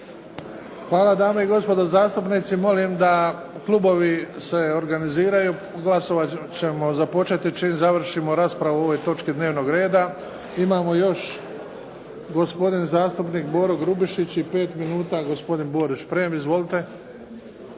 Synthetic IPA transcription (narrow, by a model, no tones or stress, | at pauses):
xʋaːlad̪aːmeiɡo̞spo̞d̪ozaːst̪upnit̪simo̞limd̪a | klˠubo̞ʋise̞o̞ɾɡaniziːɾaju | ɡlaso̞ʋat͡ɕe̞mo̞zapo̞t͡ʃe̞t̪it͡ʃiːmzaʋr̩ʃimo̞ɾaːspɾaʋuo̞ʋo̞jt̪o̞t͡ʃkid̪ne̞ːʋno̞ɡɾe̞ːd̪a | imaːmo̞jo̞ʃ | ɡo̞spo̞d̪inzaːst̪upniːkbo̞ːɾoɡɾubiʃit͡ɕipe̞ːt̪minuːt̪aːɡo̞spo̞d̪inbo̞ːɾut͡ʃpɾijemizʋo̞lit̪e̞